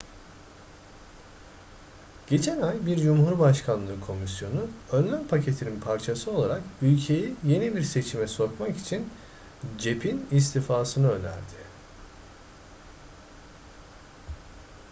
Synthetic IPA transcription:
ɟ̥e̞t͡ʃʰænajbiɾd͡ʒumhuɾbaʃkʰanˠɯːkʰo̞misjo̞nuønlʲænpʰacʰe̞t̪ʰininpʰaɾt͡ʃʰasɯo̞lˠaɾakylʲcʰe̞jije̞nibiɾse̞t͡ʃʰimɛso̞kmaki̥t͡ʃʰin | d͡ʒe̞pʰinis̬t̪ʰifaːsɯnɯønʲæ̰ɾd̪ɪ

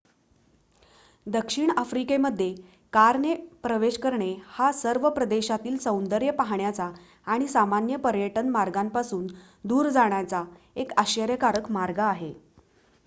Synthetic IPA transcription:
d̪əkʂiɳafɾikeməd̪ʱːje | kaɾnepɾəʋeɕkəɾɳehasəɾʋəpɾəd̪eɕat̪iːlsə̃w̃nd̪əɾjəpaɦɳjat͡saː | ɽ̃isamanjəpəɾjəʈənmaɾɡampasuːn | d̪uːɾd͡zaɳ̃jat͡sa | ekaɕəɾjəkaɾəkmaɾɡaːɦe

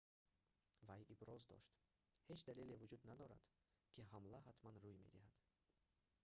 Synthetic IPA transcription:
vajibɾɔzd̪ɔ̰ʃt̪ | he̞t͡ʃd̪alelevud͡ʒud̪nad̪ɔɾa̰d̪̥ | kʰiɦamlaɦat̪manɾujme̞̰d̪ihad̪̥

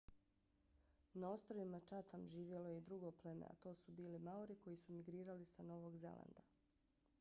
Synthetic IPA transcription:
naost̪ɾoʋimat͡ʃat̪amʒiːʋje̞lojeid̪ɾuɡople̞mḛa̰t̪o̞ːsubiːlimauɾiko̞jisumiɡɾiːɾalisano̞ʋoɡze̞̰lˠa̰nd̪a

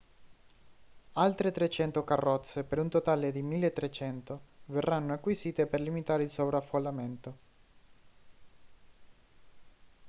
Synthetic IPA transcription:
alt̪ɾet̪ɾet͡ʃɛnt̪okarːɔt̪sːepeɾunt̪ot̪aːled̪imilːet̪ːɾet͡ʃɛnt̪overːanːoakːwisiːt̪eperlimit̪aːɾeilsovɾafolːament̪o

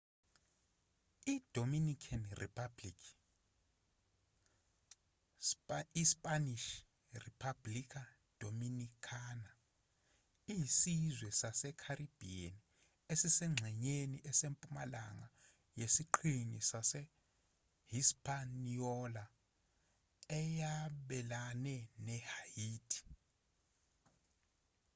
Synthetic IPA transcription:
iːd̥ʱominikʰanrḭpʰablikʰ | ispʼaniʃ | ripʰablikʰa | d̥ʱominikʰaːna | iɦsizwɛsasɛkʰarʔib̥ʱian | esisɛŋ͡ǁʱɛɲeniʔɛsempʼumalaŋa | jesiǃʰinisasɛ | hispʰʼaniɔla | ɛjaɓɛlanɛnɛhajiːtʰʼi̥

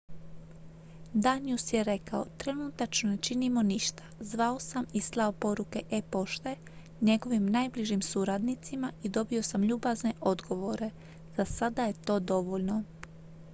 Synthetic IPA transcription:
d̪aniusje̞ɾe̞kao̰t̪ɾe̞nuːt̪at͡ʃnone̞t͡ʃinimo̞niʃt̪ḁzʋao̞samislˠaopo̞ɾuke̞ʔepo̞ʃt̪e | ɲe̞ɡo̞ʋimnajbliʒimsuɾad̪nit̪simaid̪o̞bio̞samʎuːbazne̞ʔo̞d̪ɡo̞ʋoɾe̞ | z̥asad̪aje̞t̪o̞ːd̪o̞ʋoʎno̞

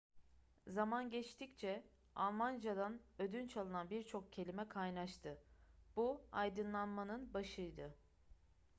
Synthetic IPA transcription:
zamanɟɛt͡ʃt̪ʰict͡ʃʰɛ | a̰lˠmand͡ʒad̪anød̪ynt͡ʃʰalˠɯnanbiɾt͡ʃʰo̞k̚cʰe̞lʲimɛkʰajnaʃt̪ʰɯb̥uajd̪ɯnlˠanmanɯnbaʃɯjd̪ɯ

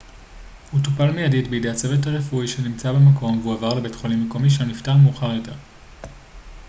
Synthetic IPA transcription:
hutupalmejaditbeide̞at͡se̞vetaʁefuiʃenimt͡sabemako̞mveuavaʁlebetχolimːeko̞miʃ̬eaniftaʁmeuχaʁjo̞te̞ʁ

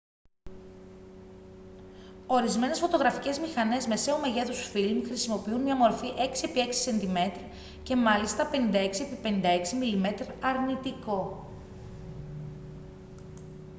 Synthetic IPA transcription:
o̞ɾizme̞ne̞sfo̞t̪o̞ɣɾɐfice̞zmixɐne̞zme̞se̞ome̞ʝe̞θusfilmxɾisimo̞piunmɲɐmo̞ɾfiʔe̞ksie̞pie̞ksi̥se̞nt̪ime̞t̪ɾ | ce̞mɐlist̪ɐpe̞nind̪ɐe̞ksiepipenind̪ɐe̞ksimilime̞t̪ɾɐɾnit̪iko̞

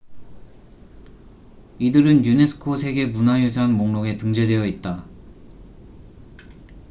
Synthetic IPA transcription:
idɯɾɯnjune̞sʰɯ̥kʰosʰe̞ɡe̞munajosʰanmoŋnoɡe̞tɯŋd͡ʑedwe̞jʌit̚t͈a

